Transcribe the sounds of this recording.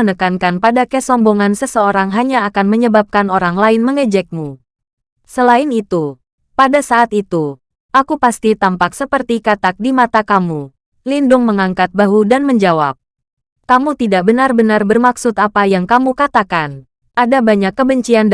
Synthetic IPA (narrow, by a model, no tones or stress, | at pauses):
ənəkankanpadakəsɔmboŋansəsəoɾaŋɦaɲaːkanməɲəbap̚kanoɾaŋlaɪnməŋəd͡ʒɛk̚mu | səlaɪnit̪u | padasaːt̪it̪u | ʔakupast̪it̪ampaksəpərt̪ikat̪ak̚dimat̪akamu | lindʊŋməŋaŋkat̪̚baɦudanməɲd͡ʒawa̰p̚ | kamut̪idaʔbənarbənarbərmaksʊt̪apajaŋkamukat̪akan | ʔadabaɲakːəbəɲt͡ʃiand